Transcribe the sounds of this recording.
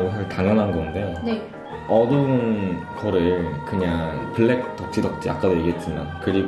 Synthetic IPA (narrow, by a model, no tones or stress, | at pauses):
ɡʌsʰɯɭtaŋjʌnɦanɡʌnden | ʌdɯnnkʌɾɯɭkɯɲaŋpɯɭːe̞k̚t͈ʌk̚t͡ɕ͈idʌk̚t͡ɕ͈ia̰k͈̚adojeɡet̚t͡ɕ͈imankɯɾiɡ